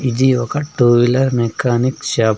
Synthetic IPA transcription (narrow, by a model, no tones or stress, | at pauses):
id͡ʒiʋɐkɐʈuːʋilɐɾmekʰːaːnikʃaː